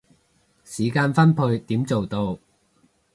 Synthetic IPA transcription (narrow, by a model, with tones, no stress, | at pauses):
siː˨˦kaː˧nfɐ˥npʰɵ˧ɥt̪iː˨˥mt͡so˨wt̪o˧w